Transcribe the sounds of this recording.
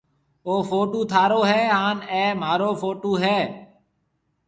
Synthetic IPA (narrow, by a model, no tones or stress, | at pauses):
oːfoːʈuːt̪ʰaːɾoːɦɛːɦaːnɛ̃ːmaːɾoːfoːʈuːɦɛː